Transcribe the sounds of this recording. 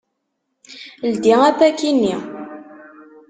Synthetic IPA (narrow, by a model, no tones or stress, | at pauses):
ld̪iæfækinːi